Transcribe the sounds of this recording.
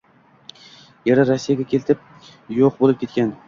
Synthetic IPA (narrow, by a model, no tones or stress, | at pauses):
jeɾaɾasːijaɡʲakʲʰe̞lt̪ʰɪp̚ | joq̚bolˠɪp̚kʲe̞t̪̚kʲan